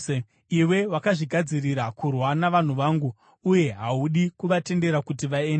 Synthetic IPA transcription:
iwe̞wakaʐiɡʱad͡ziriɾakurwanaʋan̤uʋaːŋɡu | uje̞ɦauɗikuʋate̞nde̞ɾakutiʋaeːnde

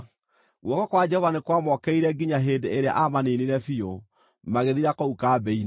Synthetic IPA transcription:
ɣwɔkɔkwad͡ʒɛhɔvanekwamɔkɛiɾɛɡiɲaɦeːndeeɾea̰ʔamaneniɾɛfio | maɣeðiɾakoukabɛin

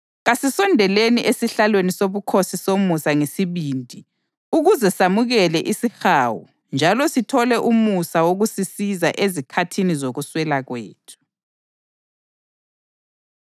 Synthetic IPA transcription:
ɣasisɔndʱɛleniʔesiɬalwenisoβukʰosisomusaŋesiβindʱi | uɣuzɛsamuɣɛlɛʔisixaːwṵ | nd͡ʒʱalɔsitʰɔlɛʔumusawoɣusisizaʔezikʰatʰinizoɣuswɛlaɣwḛːtʰu̥

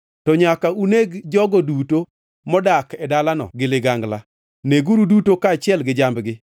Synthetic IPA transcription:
tɔɲakauneɡd͡ʒɔɡɔduto | mɔdakɛdalanɔ̰ɡɪlɪɡaŋɡla | neɡuɾudutokaːt͡ʃɪɛlɡɪd͡ʒambɡɪ

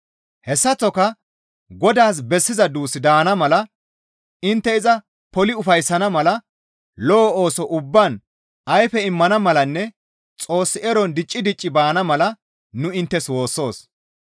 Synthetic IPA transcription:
hɛsːɐt͡sːɔkɐ | ɡɔd̪aːs̬bɛsːɪzɐd̪uːsɪd̪aːnɐmɐlɐ | ɪnt̪ːɛɪzɐ | pɔlɪʊfɐjsːɐnɐmɐlɐ | lɔːo̞ːsɔʔʊbːan | ɐjfɛɪmːɐnɐmɐlɐnːɛ | t͡sʼo̞ːsːɪɛɾɔnd̪ɪt͡ʃʼːɪd̪ɪt͡ʃʼːɪbaːnɐmɐlɐ | nʊɪnt̪ːɛswo̞ːsːo̞ːs

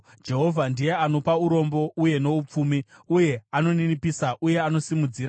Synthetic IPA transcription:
d͡ʒe̞ɦo̞vʱandije̞ano̞pauɾo̞mbo̞ʔuje̞no̞up͡fumiuje̞ano̞ninipisaʔuje̞ano̞simud͡ziːɾa

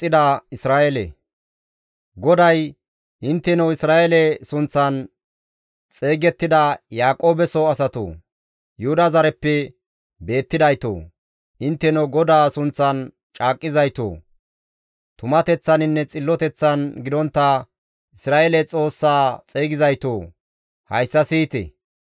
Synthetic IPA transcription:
ɪd̪ɐɪsɾaːʔɛlɛ̰ | ɡɔd̪ɐj | ʔɪnt̪ːɛnɐwɪsɾaːʔɛlɛsʊnt͡sːɐn | t͡sʼe̞ːɡɛt̪ːɪd̪ɐjaːkʼo̞ːbɛsoɐsɐt̪o̰ː | jʊhʊd̪ɐzɐɾɛpːɛ | be̞ːt̪ːɪd̪ɐjt̪o̰ː | ʔɪnt̪ːɛnoɡɔd̪aːsʊnt͡sːɐn | t͡ʃʼaːkʼːɪzɐjt̪o̰ː | t̪ʊmɐt̪ɛt͡sːɐnɪnːɛt͡sʼɪlːɔt̪ɛt͡sːɐnɡɪd̪ɔnt̪ːɐ | ɪsɾaːʔelɛt͡sʼo̞ːsːaːt͡sʼe̞ːɡɪzɐjt̪oː | hɐjsːɐsiːt̪ɛ̰

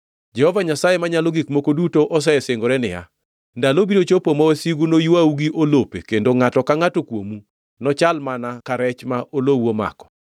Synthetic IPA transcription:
d͡ʒɛhɔvaɲasajemaɲaloɡikmokodutoʔɔs̬ɛɛsɪŋɡoɾɛnɪja̰ | ndalobiɾot͡ʃopomɔwɛsiɡunojwauɡiʔolopḛkendoŋatɔkaŋatokwo̰mu | nɔt͡ʃalmanakaɾɛt͡ʃmaʔolowoma̰kɔ̥

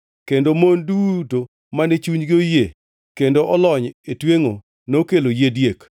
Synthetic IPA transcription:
kendomonduto | manɛt͡ʃuɲɡɪoje | kendoʔɔlɔɲetweŋo | nokelojedjek

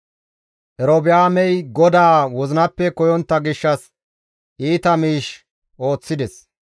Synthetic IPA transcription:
ʔɛɾobɪjaːmɛjɡɔd̪aːwɔzɪnɐpːɛkɔjɔnt̪ːɐɡɪʃːɐs | ʔiːt̪ɐmiːʃ | ʔo̞ːt͡sːɪd̪ɛs

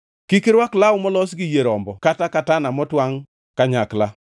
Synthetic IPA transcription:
kikɪɾwaklaʊmɔlɔsɡɪjeɾɔmbɔkatakatanamɔtwaŋ | kaɲakla

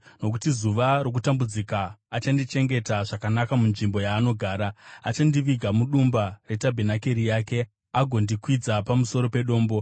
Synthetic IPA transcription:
no̞k̬utizuʋarok̬utambud͡zikaːt͡ʃandit͡ʃe̞ŋɡe̞taʐakanakamunʐimbo̞jaːno̞ɡʱaːɾaat͡ʃandiʋiɡʱamuɗumbare̞tabʱenake̞ɾijaːke̞ | aɡʱo̞ndikwid͡zapamuso̞ɾo̞pe̞ɗo̞ːmbo̞

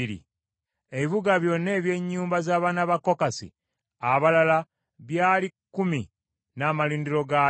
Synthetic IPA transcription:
iɾḭ | eβiβuɡaβjo̞nːe̞ːβje̞ɲːuːmbazaːβaːnaβako̞kasḭ | aβalala | βjaːlikːumi | naːmaliːndiɾo̞ɡa

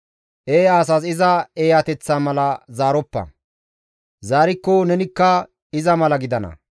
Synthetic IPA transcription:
ʔeːaːs̬as̬ɪzɐeːjɐt̪ɛt͡sːaːmɐlɐzaːɾɔpːɐ̰ | zaːɾɪkːɔnɛnɪkːɐ | ɪzɐmɐlɐɡɪd̪ɐnɐ̰

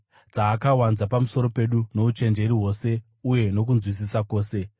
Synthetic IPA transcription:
d͡zaːkawanzapamuso̞ɾo̞pe̞ɗuno̞ut͡ʃe̞nd͡ʒe̞ɾiɦo̞ːse̞ | uje̞no̞kunzwis̬isako̞ːse̞

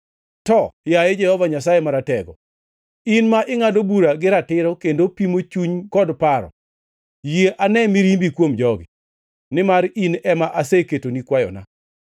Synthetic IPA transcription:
tɔjaed͡ʒɛhɔvaɲas̬ajemaɾatɛɡɔ̰ | inmaʔɪŋadobuɾaɡɪɾatɪɾɔkendopimot͡ʃuɲkɔdpaɾɔ̰ | jeʔanɛmiɾimbikwomd͡ʒɔɡɪ̰ | nɪmaɾinɛmaʔaseketonikwajɔ̰na̰

